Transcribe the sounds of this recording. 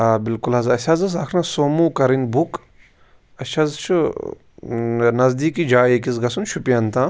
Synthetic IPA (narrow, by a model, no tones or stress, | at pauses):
aːbilkulɦɐzɐsʲɐzɨs̬ɐkʰnɐsoːmuːkɐɾinʲbuk | ɐʃʰɐzt͡ʃʰu | nɐzd̪iːkid͡ʒaːjekisɡɐsunʃupijɐnt̪ãː